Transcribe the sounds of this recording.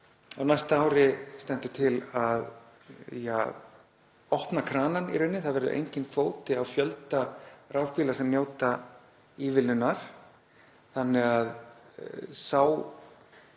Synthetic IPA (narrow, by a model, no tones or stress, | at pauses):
awnajst̪aaːwɾɪst̪ɛnt̪ʏt̪ʰɪlað | ja̰ | ɔhpnakʰɾaːnanḭɾʏnːɪθaðvɛɾðʏ̰ʔḛjɲcɪnkʰvoːwt̪ɪawfjœlt̪arawkviːlasɛmnjoːwt̪a | iːvɪlnʏnːaɾ̥ | θanːɛɣað | saːw